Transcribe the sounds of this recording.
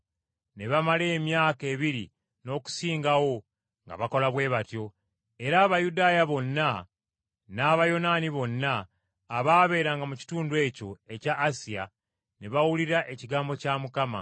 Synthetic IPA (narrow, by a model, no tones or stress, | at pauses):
ne̞βamale̞ːmjaːke̞ːβiɾi | no̞ːku̥siːŋɡawo̞ | ŋɡa̰βako̞laβwe̞ːβatjo̞ | e̞ɾaːβajudaːjaβo̞nːa | naːβajo̞naniβo̞nːaː | βaːβe̞ːɾaŋɡamuci̥tuːndwe̞ːco̞e̞caːsija̰ | ne̞βawuliɾaʔe̞ciɡaːmbo̞camukama̰